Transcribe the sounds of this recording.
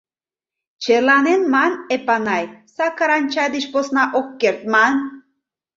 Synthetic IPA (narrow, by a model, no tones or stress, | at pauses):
t͡ʃʰelanenmanepanɑjsakaɾanʲt͡ʃʰad̪iʃposnɑʔokːeɾt̪̚man